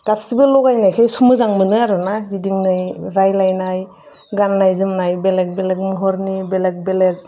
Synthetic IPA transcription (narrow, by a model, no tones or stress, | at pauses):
ɡ̥asibɯlɔɡajnajkʰajsumɯzaŋmɯnɯaɾɯnaɡidiŋnajɾajlajnaj | ɡanːajzɯmnajbelek̚belek̚mɔɦɔɾnibelek̚belek̚